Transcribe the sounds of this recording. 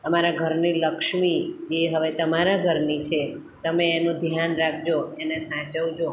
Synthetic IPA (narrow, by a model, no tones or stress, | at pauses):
əmaɾaɡʱəɾniləkʃmid͡ʒeɦəʋet̪əmaɾaɡʱəɾnit͡ʃʰe | t̪əmeːnũd̪ʱjanɾakʰd͡ʒoenesãt͡ʃəʋd͡ʒo